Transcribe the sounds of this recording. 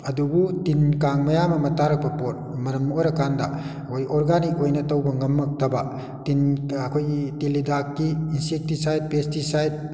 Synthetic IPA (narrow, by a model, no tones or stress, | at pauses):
ɐdubutinkaŋmɐjamɐmɐtaɾɐk̚pɐpot̚mɐɾɐmːojɾɐkʰandɐ | kʰojoɾɡanik̚ojnɐtɐwbɐŋɐmːɐk̚tʰɐbɐ | tinɐkʰojtilidakːiːnsek̚tisajd̚pestisajd̚